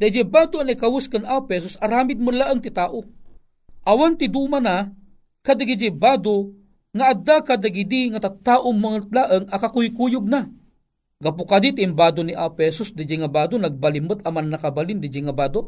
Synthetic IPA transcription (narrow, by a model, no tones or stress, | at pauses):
d̪ad͡ʒɛbaːd̪ʊanikawuskanʔapɛs̬ʊsaɾaːmɪd̪̚mulaʔəŋt̪it̪aːʔo | ʔawant̪id̪umana | kad̪aɡid͡ʒibaːd̪o | ŋaʔːd̪akad̪aɡid̪iŋat̪at̪aʔʊmaŋt̪̚laʔɨŋɐkakujkujʊɡ̚na | ɡapʊkad̪it̪iːmbaːd̪oniʔapɛsʊsd̪id͡ʒiŋabaːd̪onaɡ̚balimət̪ɐmanːakabalɪnd̪id͡ʒiŋabaːd̪o